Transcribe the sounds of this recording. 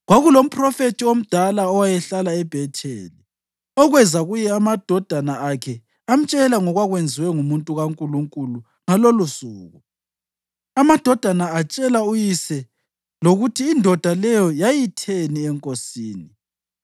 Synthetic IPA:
ɣwaɣulom̩pʰʼrɔfetʰiom̩d̥ʱalaɔwajɛɬalaɛb̥ʱɛtʰʼḛːli | ɔɣwɛzaɣujɛamad̥ʱɔd̥ʱanaakʰɛ | am̩t͡ʃʼɛlaŋɔɣwaɣwend͡zʱiwɛŋumuntʼuɣaŋkʼuluŋkʼulu | ŋalolusuːɣu | amad̥ʱɔd̥ʱanaat͡ʃʼɛlaujisɛ | loɣutʰiːndʱɔd̥ʱalɛjɔjajitʰeniɛŋkʼosiːni

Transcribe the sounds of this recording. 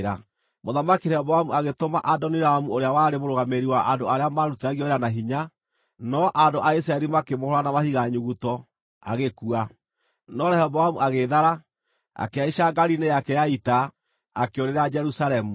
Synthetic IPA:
ɾa | moðamakiɾɛβɔhamuaɣetomaʔadɔniɾaamuoɾeawaɾemoɾoɣameɾiwaʔandoaɾeamaɾutɛaɣiɔɾeanaɦiɲa | nɔʔandoʔais̬ɾaɛɾimakemohɔɾanamahiɣaɲuɣutɔ | a̰ɣekua | nɔɾɛhɛβɔhamuaɣeðaɾa | a̰keaiʃaɡaɾinejakɛjaita | akeoɾeɾad͡ʒɛɾusalɛmu

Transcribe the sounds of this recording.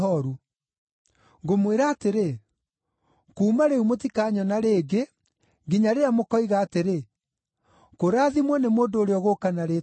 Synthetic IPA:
ɔɾu | ɡomweɾaːteɾe | kuːmaɾeumot̬ikaːɲɔnaɾeːɡe | ɡiɲaɾeamokɔiɣaːteɾe | koɾaːðimwɔnemoːndooɾeɔɣokanaɾe

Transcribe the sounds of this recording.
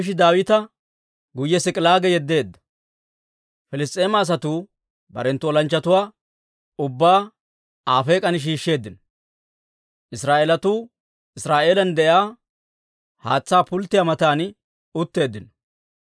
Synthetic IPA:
ɪʃ̬ɪd̪aːwɪt̪ɐ | ɡʊjːɛsɪkʼɪlaːɡɛjɛd̪ːe̞ːd̪ːɐ̥ | fɪlɪst̪ʼːe̞ːmɐːs̬ɐt̪uː | bɐ̰ɾɛnt̪ːʊwɔlɐnt͡ʃːɐt̪ʊwaː | ʊbːaː | aːfeːkʼɐnɪʃ̬iːʃːe̞ːd̪ːɪnɔ | ʔɪsɾaːʔelɐt̪uː | ɪsɾaːʔe̞ːlɐnd̪ɛʔjaː | haːt͡sːaːpʊlt̪ːɪjamɐt̪aːn | ʊt̪ːe̞ːd̪ːɪnɔ

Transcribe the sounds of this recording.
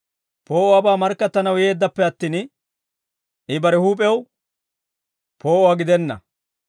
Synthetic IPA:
po̞ːʔɔwaːbaːmɐɾkːɐt̪ːɐnɐwje̞ːd̪ːɐpːɛɐt̪ːiːn | ʔɪbɐɾɛhuːpʼɛw | pʰo̞ːʔɔwaːɡɪd̪ɛnːɐ̰

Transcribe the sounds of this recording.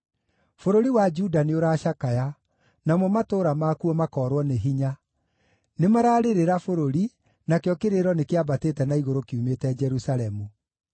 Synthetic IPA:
foɾoɾiwad͡ʒudaneoɾaːʃakaja | namɔmatoːɾamakuɔmakɔːɾwɔneɦiɲa | nemaɾaːɾeɾeɾafoɾoɾi | nakjɔkeɾeɾɔnekeabatetɛnaiɣoɾokeumetɛd͡ʒɛɾusaɾɛmu

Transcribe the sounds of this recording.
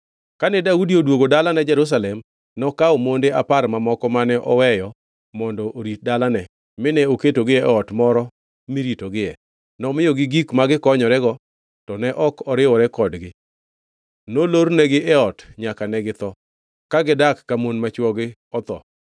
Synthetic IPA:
kanɛdaudiodwoɡodalanɛd͡ʒɛɾus̬alɛm | nɔkaomondeapaɾmamɔkɔmanɛʔɔwɛjɔ | mɔndɔʔoɾit̚dalanɛ | mɪnɛoketoɡɪɛɛɔtmɔɾɔ | miɾitoɡɪɛ | nɔmɪjɔɡɪɡikmaɡɪkɔɲɔɾɛɡɔ | tɔnɛʔɔkɔɾɪwɔɾɛkɔdɡɪ | noloɾnɛɡɪʔɛɔtɲakanɛɡɪt̪ɔ | kaɡɪdakːamonmat͡ʃwɔɡɪ | ɔt̪ɔ̰

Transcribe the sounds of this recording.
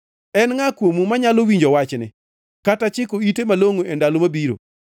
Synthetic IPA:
ɛnŋakwomumaɲalowiɲd͡ʒɔwat͡ʃnɪ̰ | katat͡ʃɪkoitemaloŋoendalomabiɾo̰

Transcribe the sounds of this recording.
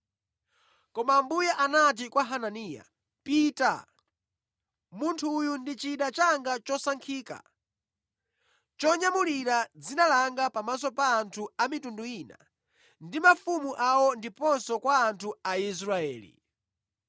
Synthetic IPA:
kɔmambujaʔanat̬ikwaɦananija̰ | pita̰ | muntʰuːjundit͡ʃiɗat͡ʃaŋɡat͡ʃɔsaŋkʰiːka̰ | t͡ʃɔɲamuliɾad͡zinalaŋɡapamas̬ɔpaːntʰuamitunduiːna̰ | ndimafumuʔawɔndipɔnsɔkwaːntʰuais̬ɾaɛ̰ːlḭ

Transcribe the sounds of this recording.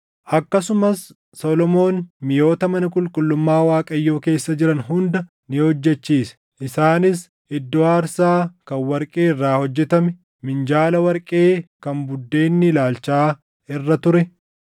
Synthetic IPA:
ʔɐkːɐsʊmɐsː | oːlɔmo̞ːnmɪjo̞ːt̪ɐmɐnɐkʼʊlkʼʊlːʊmːaːwaːkʼɐjːo̞ːke̞ːsːɐd͡ʒɪɾɐnɦʊnd̪ɐ | nɪhɔd͡ʒːɛt͡ʃːiːsɛ̥ | ʔɪsaːnɪs | ɪd̪ːɔaːɾsaːkɐnwɐɾkʼeːɪrːaːhɔd͡ʒːɛt̪ɐmɛ | mɪnd͡ʒaːlɐwɐɾkʼe̞ːkɐnbʊd̪ːe̞ːnːɪlaːlt͡ʃaː | ɪrːɐt̪ʊɾɛ

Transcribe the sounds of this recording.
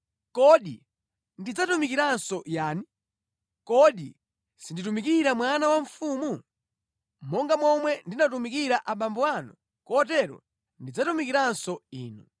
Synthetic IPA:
kɔɗḭ | ndid͡zatumikiɾansɔjaːni | kɔɗi | sinditumikiɾamwanawaɱfumu | mɔŋɡamɔmwɛndinat̬umikiɾaʔaɓambɔwanṵ | kɔtɛɾɔ̰ | ndid͡zatumikiɾansɔiːnu

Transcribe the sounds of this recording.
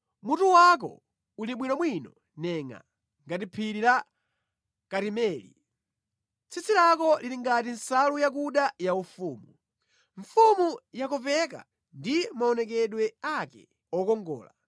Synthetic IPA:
mutuwak̬ɔ̰ | uliɓwinɔmwinɔ | nɛŋa̰ | ŋɡatipʰiɾila | kaɾimɛːlḭ | t͡sʰit͡sʰilakɔliɾiŋɡatinsalujakuɗajaufuːmu | ɱfumujakɔpɛk̬a̰ | ndimaɔnɛk̬ɛɗwɛakɛ̰ | ɔkɔŋɡɔ̰ːla̰

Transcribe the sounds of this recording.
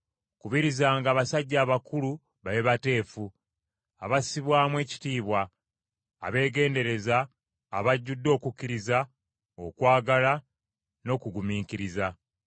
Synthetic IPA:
kuβiɾizaːŋɡaːβasaɟːaːβakulu | βaleβate̞ːfu | aβasiβwaːmwe̞ːci̥tiːβwa̰ː | βe̞ːɡe̞ːnde̞ɾe̞zaː | βaɟːudːo̞ːkukːiɾiza | o̞kwaːɡala | no̞ːkuɡumiːciɾiza

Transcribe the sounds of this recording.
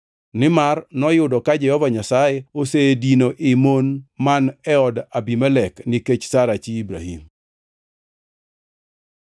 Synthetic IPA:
nɪmarnɔjʊdɔkad͡ʒɛhɔvaɲasajɛosedinoʔɪmonmanɛɔdabimɛlɛknɪket͡ʃsaɾat͡ʃiːbɾa̰hḭm

